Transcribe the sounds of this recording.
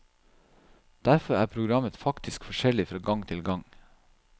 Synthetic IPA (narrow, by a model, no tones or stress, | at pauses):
d̪̥æɾfɔɾæːpʰɾʊɡɾɑmət̪fɑkt̪ʰɪskfɔʃɛlɪfɾɑːɡɑŋt̪ʰɪlɡɑŋ